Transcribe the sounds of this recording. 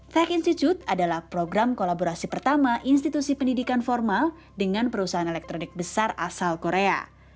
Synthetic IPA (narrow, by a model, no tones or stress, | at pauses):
t̪ɛkinst̪it͡ʃ̪ut̪̚adalahpɾoɡɾamkolaboɾasipərt̪amaʔinst̪it̪usipəndidikanfɔrmal | dəŋanpəɾusaɦanelɛk̚t̪ɾonɪk̚bəsara̰salkoɾea̰